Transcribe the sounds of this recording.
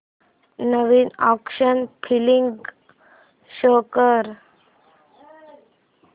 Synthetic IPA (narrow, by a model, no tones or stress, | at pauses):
nəʋiːnɔkʂənpʰiliŋɡ | ɕoːkəɾ